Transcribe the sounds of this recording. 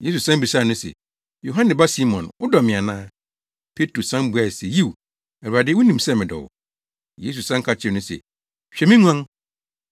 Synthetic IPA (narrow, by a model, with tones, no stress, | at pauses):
je˦s̬u˨sã˦m˦bi˨sa˦˨nʊ̃˦sɛ̰˨ | jo˨ɦã˦nɛ̃˨ba˦si˦mɔ̃˨nwʊ˦dɔ˨mɪ̃˨a˨nãː˦ | pʰe˦tʰɾo˨sã˦m˦bu˨˦a˨sɛ˨ji˦˨w | ɛ˨du˨a˨dɪ˦wʊ˦nĩ˨msɛ˦˨mɪ̃˨dɔ̰˨wʊ̰˨ | jḛ˦s̬u˨sã˦ŋ̩˦kʰa˦t͡ɕʰɪ˦˨nʊ̃˦sɛ̰˨ | ɕᶣɛ˨mɪ̃˦ŋʷ˦ã˦ŋ